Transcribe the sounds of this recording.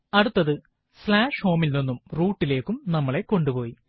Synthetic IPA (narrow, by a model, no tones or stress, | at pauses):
ɐɽut̪ːɐðɨ | slaːʂho̞ːmilnonːumruːʈːile̞ːkːumnɐmːɐɭe̞ko̞ɳɖupo̞ːji